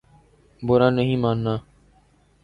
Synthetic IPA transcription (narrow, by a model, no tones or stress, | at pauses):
bʊɾãːnːəɦĩːmaːnːaː